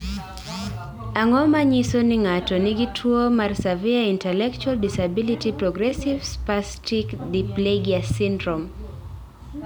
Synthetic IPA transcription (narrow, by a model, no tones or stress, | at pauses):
aŋɔmaɲisonɪŋatɔnɪɡitʰwomarsaviaintɛlɛkt͡ʃualdisabilitipɾɔɡɾɛsivspastikdipleɡiasindɾɔm